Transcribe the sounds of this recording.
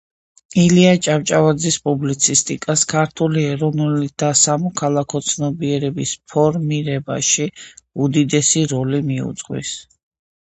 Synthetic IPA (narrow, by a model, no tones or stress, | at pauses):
iliat͡ʃʼavt͡ʃʼavad̪zispʼublit̪sʰist̪ʼikʼaskʰaɾt̪ʰuliɛɾɔnulid̪̥asamɔkʰalˠakʰɔt̪sʰnɔbiɛɾɛbispʰɔɾmiɾɛba̰ʃiud̪id̪ɛsiɾɔlimiṵt̪sʼqʼwḭs